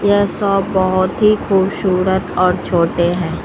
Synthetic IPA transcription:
jɛsɔːɔɦʊt̪ɦikʰuːbʃuːɾət̪ɔːɾt͡ʃʰoːʈeɦɛ̃ː

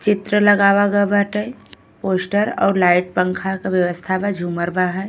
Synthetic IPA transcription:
t͡ʃit̪ɾələɡabaɡəbəʈəj | posʈəɾɔ̰ːɾlaiʈ̚pəŋkʰakebjəʋəst̪ʰabad͡ʒʱuməɾbaɦəj

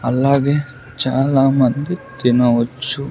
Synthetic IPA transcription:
ɐlːaːɡeː | t͡ʃaːlaːmɐnd̪id̪inɐʋɐt͡ʃːu

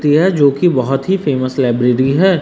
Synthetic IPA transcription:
t̪iɦɛd͡ʒoːkibɐɦʊt̪ɦifeːməslɛːbɾeːɾiɦɛː

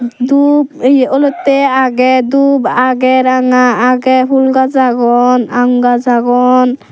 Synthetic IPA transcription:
d̪ubɔlɔt̪ːɛaɡɛd̪ubaɡɛɾaŋaːɡɛɦulɡazaɡɔnaŋɡazaɡɔn

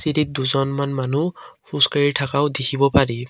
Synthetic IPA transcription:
siɾit̪̚d̪uzɔnmanmanupʰuskaɹitʰakaʊd̪ekʰibɔpaɹi

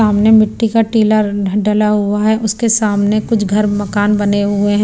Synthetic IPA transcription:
aːmnemɪʈːikaʈiːlaɖɐlaɦʊaɦɛʔʊskesaːmnekʊt͡ʃʰɡʱɐɾmɐkaːnbɐneɦʊeɦɛ̃

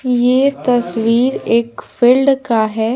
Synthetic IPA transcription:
jeːt̪ɐswiːɾeːkfiːlɖkaɦɛː

